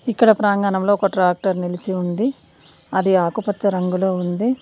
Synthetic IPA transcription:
ikːɐɽɐpɾaːŋɡaːnɐmlo̞ːɔkɐʈɾaːk̚ʈɐɾnilit͡ʃiund̪i | ɐd̪iaːkupɐt͡ʃːɐɾɐŋɡulo̞ːund̪i

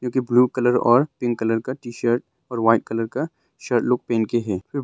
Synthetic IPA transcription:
kjõːkibluːkɐləɾɔ̰ːɾpɪ̃ŋɡkɐləɾkaʈiːʃəɾʈ̚ | ɔːɾʋaːɪʈ̚kɐləɾka | ʃəɾt̪loːɡ̚peːnkeɦɛːfɪɾ

